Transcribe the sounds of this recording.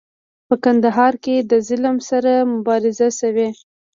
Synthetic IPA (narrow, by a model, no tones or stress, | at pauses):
pəkand̪aɦɑɾked̪əzɪlmsaɾamʊbɑɾɪzaʃawe